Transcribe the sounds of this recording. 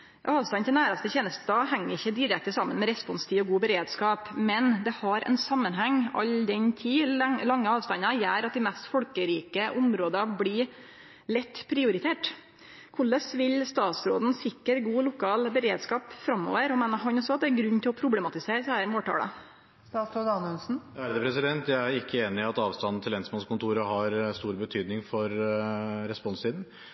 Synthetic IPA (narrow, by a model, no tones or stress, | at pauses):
jɑ̰ɑːʋst̪ɑnt̪ʰɪnæːɾɑst̪əçeːnəst̪d̪ɑhɛŋːəɾɪçːəd̪ɪɾɛk̚t̪əsɑmːənmɛɾɛspɔnst̪ʰiːɔɡuːbəɾeːd̪skɑːpmɛnd̪ɛhɑɾɛ̰nsɑmːənɦæŋːɑ̰ld̪ɛnt̪ʰiːlɑŋːəɑːʋst̪ɑnːɑjæːɾɑt̪̚d̪ɪmɛst̪fɔlkəɾiːkəʔʊmɾoːd̪ɑbliː | lɛt̪ːpʰɾɪʊɾɪt̪ʰeːʈ | kʰʊɭəsʋɪlst̪ɑːt̪sɾoːd̪n̩sɪkːəɾɡuːlʊkʰɑːlbəɾeːd̪skɑːpfɾɑmːo̰ːʋəɾɔmeːnəɦɑnɔsːɔɑt̪̚d̪ɛæɾɡɾʉnːt̪ʰɪlɔpʰɾʊblɛmɑt̪ɪseːɾəshæːɾmoːʈ̪ʰɑ̰ːlə̰ | st̪ɑːt̪sɾoːd̪ɑnœnsn̩æɾd̪ɛpʰɾɛsɪd̪ɛnt̪jææɾɪkːəeːnɪɑt̪ɑːʋst̪ɑnn̩t̪ʰɪlːɛnsmɑnskʰʊnt̪ʰuːɾəɦɑɾst̪uːɾbət̪ʰyːd̪nɪŋfɔɾ | ɾɛspɔnssiːd̪n̩